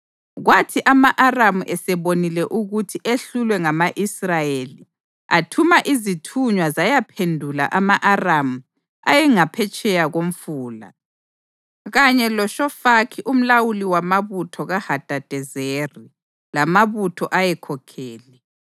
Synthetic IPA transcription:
ɣwatʰiʔamaʔaramuʔɛsɛβonilɛʔuɣutʰiʔeɬulwɛŋamaʔisrajeli | atʰumaʔizitʰuɲwazajapʰendʱula̰ʔamaʔaramu | a̰jɛŋapʰɛt͡ʃʼɛjaɣom̩fuːla̰ | ɣaɲɛlɔʃɔfakʰiʔum̩lawuliwamaβutʰɔɣahad̥ʱad̥ʱɛzeri | lamaβutʰɔʔajɛkʰɔkʰɛːlɛ

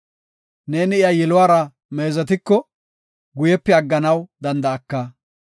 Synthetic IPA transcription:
ne̞ːnɪɪjajɛlʊwaːɾɐ | me̞ːzɐt̪̬ɪkːɔ | ɡʊjɛpːɛɐɡːɐnɐwd̪ɐnd̪ɐːkːɐ

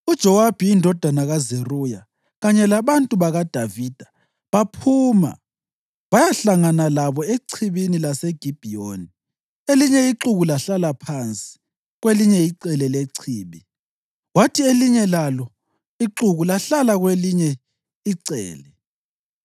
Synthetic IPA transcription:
ud̥ʒ̥ʱɔwab̥ʱijindʱɔd̥ʱanaɣazeruːja | ɣaɲɛlaβantʼuβaɣad̥ʱavid̥ʱḁ | βapʰuːma̰ | βajaɬaŋanalaβɔeǀʰiβinilaseɡ̥ʱib̥ʱioni | eliɲɛiǁuɣulaɬalapʰant͡sʼi̥ | ɣweliɲɛiǀɛlɛleǀʰiːβi | watʰieliɲɛlalɔ | iǁuɣulaɬalaɣweliɲɛ | iǀɛ̰ːlɛ

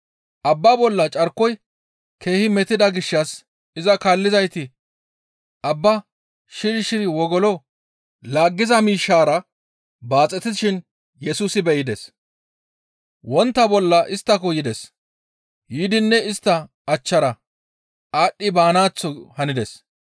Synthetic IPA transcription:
ʔɐbːɐbɔlːɐt͡ʃʼɐɾkːɔj | kʰe̞ːhɪmɛt̪ɪd̪ɐɡɪʃːɐs | ɪzɐkaːlːɪzɐjt̪ɪ | ʔɐbːɐ | ʃɪɾʃɪwɔɡɔlɔ | laːɡːɪzɐmiːʃːaːɾɐ | baːt͡sʼɛt̪ɪʃɪn | jɛsuːsɪbɛɪd̪ɛs | wɔnt̪ːɐbɔlːɐʔɪst̪ːɐkɔjɪd̪ɛs | jiːd̪ɪnːɛɪst̪ːɐ | ɐt͡ʃːɐɾɐ | aːɗːɪbaːnaːt͡sːɔhɐnɪd̪ɛs

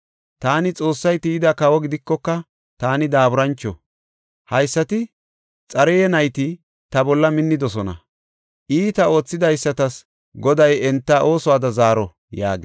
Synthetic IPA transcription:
t̪aːnɪt͡sʼo̞ːsːɐjt̪iːd̪ɐkɐwɔɡɪd̪ɪkːɔkːɐ | t̪aːnɪd̪aːbʊɾɐnt͡ʃːɔ̰ | hɐjsːɐt̪ɪ | t͡sʼɐɾɛjɛnɐjt̪ɪ | t̪ɐbɔlːɐmɪnːɪd̪ɔsɔnɐ̰ | ʔiːt̪ɐo̞ːt͡sːɪd̪ɐjsːɐt̪ɐs | ɡɔd̪ɐjɛnt̪ːɐʔo̞ːsʊwaːd̪ɐzaːɾɔ | ja̰ːɡɪ

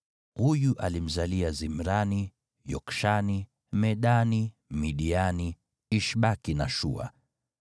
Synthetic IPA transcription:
hujuʔa̰lim̩zaliazim̩ɾani | jɔkʃani | mɛɗani | miɗiani | iʃɓakinaʃṵa̰

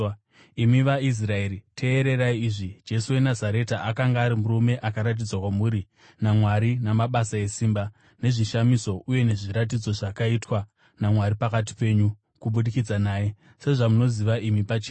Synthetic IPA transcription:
imiʋais̬raeɾitʰe̞ːɾe̞ɾaiiːʐid͡ʒe̞suwe̞nazaɾe̞taakaŋɡaːɾimuɾume̞ʔakaɾat̬id͡zwakwamuːɾi | namwaɾinamaɓasae̞siːmba | ne̞ʐiʃamiso̞ʔuje̞ne̞ʐiɾat̬id͡zo̞ʐakaitwa | namwaɾipakat̬i̥pe̞ːɲu | kuɓuɗikid͡zanaːje̞ | se̞ʐamuno̞ziʋaʔimipat͡ʃeː

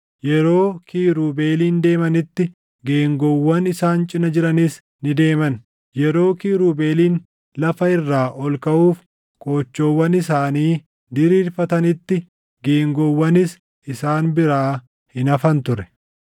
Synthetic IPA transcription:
jɛɾo̞ːkʰiːɾuːbe̞ːliːnd̪e̞ːmɐnɪt̪ːɪ | ɡe̞ːŋɡɔwːɐnɪsaːnt͡ʃʼɪnɐd͡ʒɪɾɐnis | nɪd̪e̞ːmɐn | jɛɾo̞ːkiːɾuːbe̞ːliːn | lɐfɐɪrːaːʔɔlkɐʔuːf | kʼo̞ːt͡ʃːowːɐnɪsaːniː | d̪ɪɾiːlfɐt̪ɐnɪt̪ːɪ | ɡe̞ːŋɡɔwːɐnɪs | ɪsaːnbɪɾaː | hɪnɐfɐnt̪ʊɾɛ̥

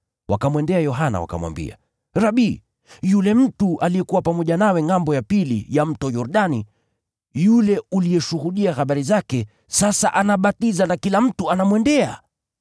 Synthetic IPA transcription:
wʔa̰kamwɛndɛajɔɦana̰wa̰ka̰mwa̰mbḭa̰ | ɾaɓi | julɛm̩tuʔalijɛkuwapamɔʄanawɛŋambɔjapilḭjam̩tɔjɔɾɗani | julɛulijɛʃuhuɗiaxaɓaɾizakɛ | sasa̰ʔanaɓatizanakilam̩tuanamwɛndɛa

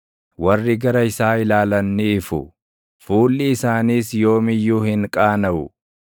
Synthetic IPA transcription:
wɐrːɪɡɐɾɐɪsaːɪlaːlɐnːɪːfʊ̰ | fuːlːɪːsaːniːsjo̞ːmɪjːuːhɪŋkʼaːnɐʔʊ̰

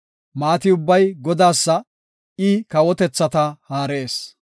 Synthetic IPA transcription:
maːt̪ɪʊbːɐjɡɔd̪aːsːɐ | ɪkɐwɔt̪ɛt͡sːɐt̪ɐhaːɾe̞ːs

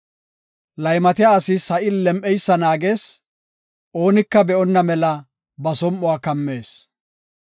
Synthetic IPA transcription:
lɐjmɐt̪ɪjaːɐsɪsɐʔɪlɛmʔɛjsːɐnaːɡe̞ːs | ʔo̞ːnɪkːɐbɛʔɔnːɐmɛlɐ | bɐsɔmʔɔaːkɐmːe̞ːs

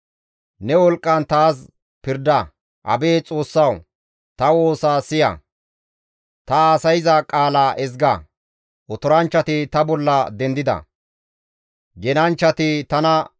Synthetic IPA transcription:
nɛwɔlkʼːɐnt̪aːs | pɪɾd̪ɐ | ʔɐ̰beːt͡sʼo̞ːsːɐw | t̪ɐwo̞ːsaːsɪjɐ̰ | t̪ɐaːsɐjɪzɐkʼaːlaːʔɛzɡɐ | ɔt̪ɔɾɐnt͡ʃːɐt̪ɪt̪ɐbɔlːɐd̪ɛnd̪ɪd̪ɐ̰ | ɡɛnɐnt͡ʃːɐt̪ɪt̪ɐnɐ

